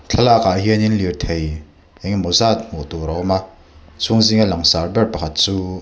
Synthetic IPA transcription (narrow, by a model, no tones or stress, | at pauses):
t͡ɬʰalakaʔɦiəninlirt̪ʰej | ɛŋmɔzat̪̚muʔt̪uɾɔwma | t͡sʰuŋziŋalaŋsarbɛrpakʰat̪̚t͡suː